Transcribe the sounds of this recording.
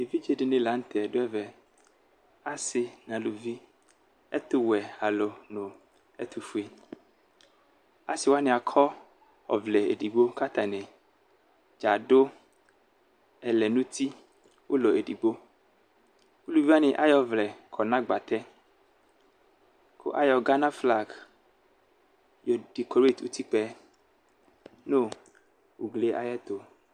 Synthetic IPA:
e˨vi˦d͡ʒe˨ɖe˨nẽ˨la˨ŋ̩˦t̪ʰɛ˨ɖo˦ɛ˦vɛ˨ | a˦sɪ˨nã˨lu˨vi˦ | ɛ̰˦t̪ʊ˦wɛ˨a˨lo˨nõ˨ | ɛ̰˦t̪u˨fu˦e˦ | a̰˦sɪ˨wo˦a˦nẽ˨a˨kʰɔ˦ | ɔ̰˨vlɛ˨ḛ˨ɖi˨ɡ͡bo˦ka˦t̪ã˨nɛ̃˨ | d͡ʒa˨ɖo˦ | ɛ˨lɛ˨nũ˦t̪i˦ | wʔo˦lɔ˨e˨di˨ɡ͡bo˦ | wu˦lu˦vi˦a˦nẽ˨ʔa˦jɔ˨vlɛ˨kʰɔ˨nã˦ɡ͡ba˨t̪ɛ˦ | kʰo̰˦ʔa˦jɔ˨ɡa˦nã˦fla˦˨ɡ | jɔ˨d̥i˨ko˨ɾe˦˨t̪wṵ˦t̪i˦k͡pɛ˦ | nõ˦˨ | wu˨ɡle˦ʔa̰˨jɛ˦t̪o˨

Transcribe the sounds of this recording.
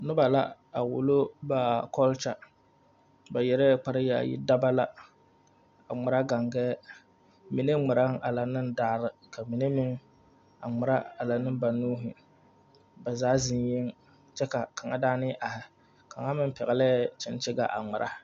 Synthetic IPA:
nɨ˦ba˨la̰˦ | a˨wʊ̰˨lo˦ba˨kɔ˦lt͡ʃa˦ | ba˨jɛ˨ɾɛ˦k͡pa˨˦ɾɨ˦ja̰˨jḭ˦da˦ba˦la˨ | a˨ŋ͡mʊ˨ɾa˦ɡa˨ŋɡɛː˦ | mi˨ne˦ŋ͡mɨ˨ɾa˦ŋa˨la˨nɨ˦ndaː˦ɾɨ˨ka˨mi˨ne˦mɪ˦ŋ | a̰˨ŋ͡mʊ˨ɾa˦a˨la˨nɨ˦mba˨nuː˦ɦɪ˨ | ba˨zaː˦zɪ˦njɛ˦ŋ | t͡ʃɛ˦ka˨ka˨ŋa˦daː˦nɪ˦ʔa˨hɪ˨ | ka˨ŋa˦mɨ˦m˦pɛ˨ɣɛ˨lɛ˦˨t͡ʃɪ˦n˦t͡ʃɪ˦ɡa̰˦˨ʔa̰˨ŋ͡mʊ˨ɾʔa̰˦

